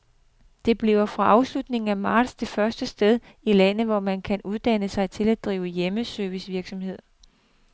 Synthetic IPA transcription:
d̥e̝b̥liʊɐfʁɑ̈ʔɑ̈ʊslud̥ne̝ŋŋ̩æmɑ̈ːd̥sdʰe̝fɶɐsd̥əsd̥eð̞ˠ | ilænð̩ˠʋɒmænkʰænuðˠd̥ænəsɑ̈ɪt͡sʰe̝læ̥d̥ʁiːʊəjeməsøːʋisʋiɐɡ̥sɒ̽mhe̝ð̞̰ˠ

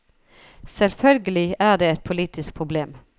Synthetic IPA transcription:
sɛlfœlɡəlɪæːɖ̪eːɛt̪̚pʰʊliːt̪ʰɪsk̚pʰʁʊbleːm

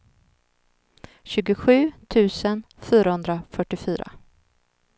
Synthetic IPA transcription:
ɕʉ̟ːɡʊɧʉ̟ːt̪ʰʉ̟ːsən | fyːɾahɵnd̪ɾafœʈːɪfyːɾa̰

